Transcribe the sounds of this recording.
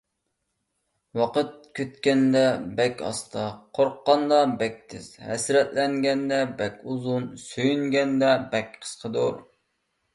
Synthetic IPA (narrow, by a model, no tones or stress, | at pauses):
wɑqət̪̚kʲʰøt̪kʲɛnd̪ɛbɛkʲɑ̰st̪ʰɑqʰoɾqːɑnd̪ɑbɛk̚ʲt̪ʰɪz̥hɛ̰sɾɛt̪lɛŋɡʲɛnd̪ɛbɛkʲuzunsøjyŋɡʲɛnd̪ɛbɛkʲqʰə̥sqʰəd̪oɾ